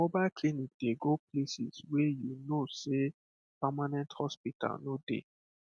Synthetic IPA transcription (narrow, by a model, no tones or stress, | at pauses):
mobalklinik̚d̥eɡoplesḭzwejunose | pamanɛ̃nthɔspita̰lnodḛ